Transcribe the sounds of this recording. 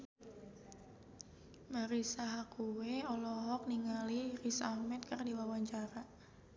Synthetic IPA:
maɾisaɦakuweɔlɔɦɔk̚niŋalirisahmɛt̪̚kərdiwawaɲt͡ʃaɾa

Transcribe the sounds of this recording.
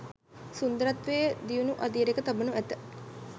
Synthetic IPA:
sund̪əɾat̪ʋeːd̪ijunuʔad̪iəɾekət̪abənuæt̪ə

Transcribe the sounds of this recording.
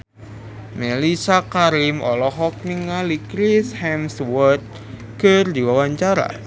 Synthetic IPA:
melisakaɾimɔ̰lɔɦɔk̚niŋalikɾishɛmswɔt̪̚ | kərd̪iwawaɲt͡ʃaɾa̰

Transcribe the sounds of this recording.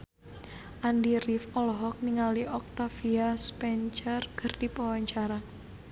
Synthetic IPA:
ʔandirifɔlɔɦɔk̚niŋaliʔɔk̚t̪afiaspɛnt͡ʃərɡ̥ərd̥ipawaɲt͡ʃaɾa

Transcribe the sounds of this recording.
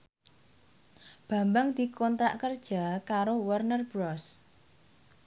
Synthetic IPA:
b̥ä̤mbaŋd̪̥i̤kɔnt̪ɾa̰ʔkərd̥ʒ̥a̤kaɾowərnərb̥ɾɔs

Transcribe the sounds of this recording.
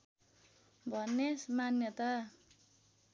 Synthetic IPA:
bʱʌnːesmanjʌt̪a

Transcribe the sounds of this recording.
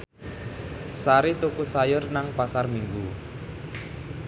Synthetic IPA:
saɾit̪ukusajʊrnaŋpasarmiŋɡu

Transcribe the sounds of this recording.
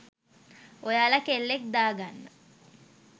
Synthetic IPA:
ojalɐkelːek̚d̪aːɡanːə̰

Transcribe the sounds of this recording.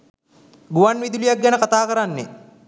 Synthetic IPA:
ɡuʋanʋid̪ulijak̚ɡɛnəkat̪aːkəɾanːe

